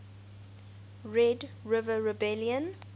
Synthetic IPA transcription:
ɹɛdɹɪvəɹɛbɛljə̃n

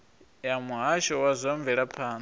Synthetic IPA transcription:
jamuɦaʃɔwazʷɔɱvɛɺapʰaːn

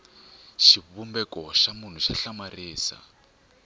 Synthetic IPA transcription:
ʃiβumbɛkɔʃamun̤uʃaɬamariːsa̰

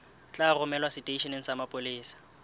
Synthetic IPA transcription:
t͡ɬʼarʊmɛlwasɪtʼeiʃinɛn̩samapʼoliːsḁ

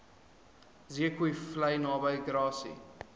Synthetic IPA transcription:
ziəkuiflɐjnɑːbəjɡɾɑːsḭ

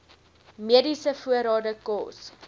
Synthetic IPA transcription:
miədisəfuəɾɑːdəkɔ̰ːs

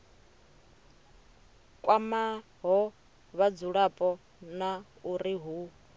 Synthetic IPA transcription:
kʼwama | ɦɔ | βad͡zuɺapʼɔ | na | uɾiɦu

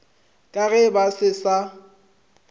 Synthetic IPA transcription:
kʼaɣɛbasɪsa

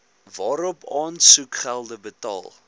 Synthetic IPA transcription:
vɑːɾɔpɑːnsukχælˠdəbətɑ̰ːlˠ

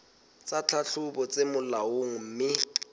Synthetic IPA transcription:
t͡sat͡ɬʰaɬʊbɔt͡sʼemʊlaoŋ̩m̩mɪ

